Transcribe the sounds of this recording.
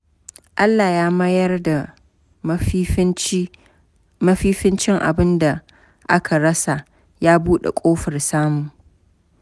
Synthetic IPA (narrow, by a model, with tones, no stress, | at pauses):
ʔa˦lːa˨jaː˦mɐ˦jɐ˦rda˨ | mɐ˦ɸiː˦ɸɪ˦nt͡ʃɪ˦ŋʔa̰˨bɪ˦nda˨ | ʔa˦kʰa˨ɽɐ˦sa˨ʔ | jaː˦buː˦ɗḛ˨kʷʼoː˦ɸɐ˨rsaː˦mʊ˨ŋ